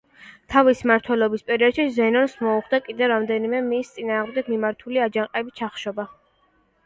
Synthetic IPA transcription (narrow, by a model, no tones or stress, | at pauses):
t̪ʰavismaɾt̪ʰwɛlɔbispʼɛɾiɔd̪̥ʃizɛnɔnsmɔuχd̪akʼid̪ɛvɾamd̪ɛnimɛmist̪sʼinaːʁmd̪ɛɡ̚mimaɾt̪ʰuliad͡ʒaŋqʼɛbit͡ʃʰaχʃɔba